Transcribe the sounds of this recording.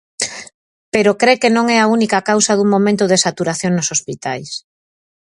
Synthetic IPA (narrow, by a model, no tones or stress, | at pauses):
peɾokɾekenõŋɛaunikakawsaðuŋmõmẽnt̪ʊðesat̪uɾaθjoŋnosospit̪a̰js